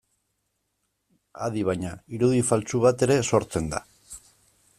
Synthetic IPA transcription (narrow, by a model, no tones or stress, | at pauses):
a̰ð̞iβ̞aɲaiɾuðifalt͡suβ̞at̪e̞ɾe̞so̞ɾt͡se̞nd̪a̰